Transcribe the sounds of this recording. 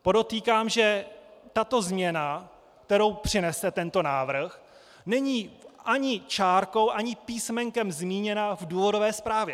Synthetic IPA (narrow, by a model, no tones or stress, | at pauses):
po̞do̞t̪iːkaːmʒɛt̪at̪o̞zmɲɛna | k̚t̪ɛɾowpr̝̥ɪnɛst̪ɛt̪ɛnt̪o̞naːvr̩x | nɛɲiːʔaɲɪt͡ʃaːɾko̞wʔaɲɪpiːsmɛŋkɛmzmiːɲɛnavduːvo̞do̞vɛːspɾaːvjɛ